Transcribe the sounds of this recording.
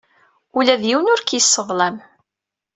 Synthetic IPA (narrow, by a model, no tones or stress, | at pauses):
ulæðjiwnʊɾkjəsˤːəðlæm